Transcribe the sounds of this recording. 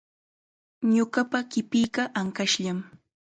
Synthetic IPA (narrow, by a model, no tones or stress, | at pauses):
ɲʊɢɑpakɪpijɢɑʔaŋkaʃʎam